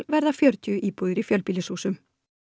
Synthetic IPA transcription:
lvɛɾðafjœɾt̪ʰʏːʔiːpuðɪɾifjœlpiːlɪsuːsʏm

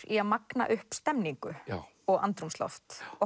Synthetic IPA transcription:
ɾiaðmakna̰ʔʏhpst̪ɛmniŋkʏ | ɔɣa̰nt̪ɾumslɔ̰ft̪ɔ

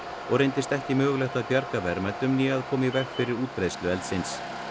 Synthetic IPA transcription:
ɔɣɾejnt̪ɪst̪ɛhcɪmœːɣlɛxt̪aðpjaɾkavɛɾmɛt̪ʏmniaðkʰɔːmivɛxkfɪɾɪɾuːt̪̚pɾejslʏɛlt̪sɪns

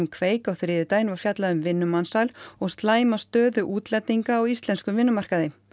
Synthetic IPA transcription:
mkʰveːjkawθɾɪːðʏt̪ajnvaɾ̥fjat̪laðʏmvɪnːʏmansalɔɣst̪laːjmast̪œːðʏʔuːt̪lɛt̪ːiŋkaːwist̪lɛnskʏvɪnːʏmar̥kaðɪ

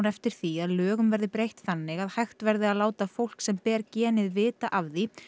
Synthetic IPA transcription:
nɛft̪ɪɾ̥θiaðlœːɣʏmvɛɾðɪpɾejht̪θanːɪɣaðhajxt̪vɛɾðɪaðlaːwt̪afowl̥ksɛmpɛːɾcɛːnɪðvɪːt̪aʔavði

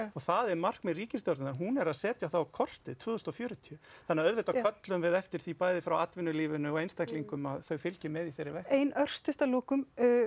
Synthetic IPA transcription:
ɔɣθaðɛɾmar̥kmɛðriːcɪsjɔɾnanɦunɛɾaðsɛːt̪jaθawakʰɔr̥t̪ɪt̪ʰvʏːðʏst̪ɔfjœːɾʏt̪ʰiʏθanːaœðvɪt̪akʰœt̪lʏmvɪðɛft̪ɪɾ̥θipaːjðɪfɾawat̪vɪnːʏliːvʏnʏɔejnst̪ajkliŋkʏmaðθœɥfɪlcɪmɛðiθejɾːɪvɛheːjnœr̥st̪ʰʏht̪aloːkʏm

